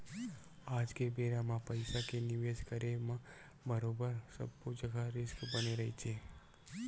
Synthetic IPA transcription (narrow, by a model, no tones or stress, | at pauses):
ad͡ʒkebeɾamãpəjsakeniʋed͡ʒkəɾemã | bəɾobəɾsəbːud͡ʒəɡʱaɾɪskbəniɾəɦit͡ʃʰe